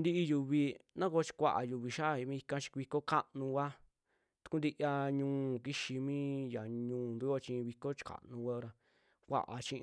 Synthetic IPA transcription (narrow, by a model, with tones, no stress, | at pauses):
nd̪i˦ʔi˧ju˨βi˧nã˦ko˧˦˧t͡ʃi̥˧kʷa̰˧ʔa̰˨ju˨βi˧ʃa˦˨˧mĩ˧i˧kã˧t͡ʃi̥˧kβi˧ko˦ka˦ʔnũ˧wa˦ | t̪u̥˧ku˦nd̪i˦˧ʔa˧ɲũː˧˦˨ki˦ʃi˧mĩː˦ja˨ɲũː˧˦˨nd̪u˦jo˦t͡ʃĩ˧βi˧ko˦t͡ʃi̥˧ka̰˨nũ˧wa˦˧ɾa˧ | kʷa̰˧ʔa̰˨t͡ʃĩ˧ʔ